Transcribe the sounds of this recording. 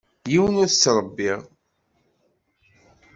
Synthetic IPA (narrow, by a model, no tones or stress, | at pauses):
jiwənʊɾsːɾˤəbːiʁ